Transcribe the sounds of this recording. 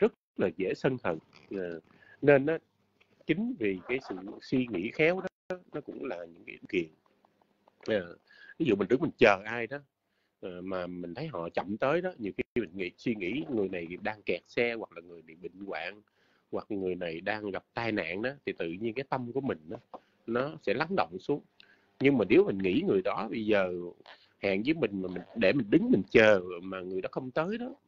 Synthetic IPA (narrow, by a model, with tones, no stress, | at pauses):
zə˦˥t̚ | laː˨˩zḛ˧˥sə˧nhə̰˨˩ŋaː˨˩ | ne˧nʔaː˨˦ | t͡ɕï˨˦ŋ̟vi˨˩kaː˨˦jsɨ̰˧˨swi˧ŋḭ˧˥xɛ˨˦wɗɔ˨˦ɔ˨˦nɔ˨˦˥kʊ̰˧˥ŋ͡mlaː˨˩ɲɨ̰˧˥ŋkːi˧˦mki˨˩ən | ʔaː˨˩ | vi˨˦zṵ˧˨mï̟˨˩t̪ɨ˦˥kmi˨˩ŋ̟t͡ɕəː˨˩ʔaː˧jɗɔ˨˦ | ʔaː˨˩maː˨˩mï˨˩ŋ̟t̪ʰə˨˦jɦɔ̰˧˨t͡ɕɔ̰˧˨wŋ͡mt̪əː˨˦jɗɔ˨˦ɲi˨˩əwxi˧xi˧mï˨˩ŋ̟ŋḭ˧˩˥swi˧ŋḭ˧˥ŋɨ˨˩əjna˨˩jɗaː˧ŋkɛ˨˩t̚sɛ˧wa˨˩k̚laː˨˩ŋɨ˨˩əjɓḭ˧˨ɓḭ̈˧˨ŋ̟kwa̰ː˧˨ŋ | wa˨˩k̚ŋɨ˨˩əjna˨˩jɗaː˧ŋɣa˨˩p̚t̪aː˧jna̰ː˧˨ŋɗɔ˨˦t̪ʰi˨˩t̪ɨ̰˧˨ɲi˧nkaː˨˦jt̪ə˧mku˧˩əmï˨˩ŋ̟ɗaː˨˦ | nɔ˨˦sɛ̰˧˥la˨˦ŋɗo̰˧˨wŋ͡msu˨˦əŋ | ɲɨ˧ŋmaː˨˩ni˨˦wmï˨˩ŋ̟ŋḭ˧˥ŋɨ˨˩əjɗɔ˨˦ɓə˧jzəː˨˩ | ha̰ː˧˨ŋzəː˨˦jmï˨˩ŋ̟maː˨˩mï˨˩ŋɗḛ˧˩mï˨˩ŋ̟ɗɨ˨˦ŋmï˨˩ŋ̟t͡ɕəː˨˩maː˨˩ŋɨ˨˩əjɗɔ˨˦xə˧wŋ͡mt̪əː˨˦jɗɔ˨˦